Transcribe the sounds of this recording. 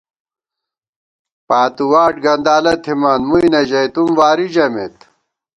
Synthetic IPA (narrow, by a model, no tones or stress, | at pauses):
paːt̪uwaːʈɡɐnd̪aːlɐt̪ʰimanmujnɐʑɐjt̪umwaːɾid͡ʑɐmḛt̪